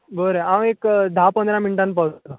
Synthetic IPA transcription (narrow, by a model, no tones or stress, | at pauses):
bəɾeãwekd̪ʱapənd̪ɾaminʈanpawt̪ə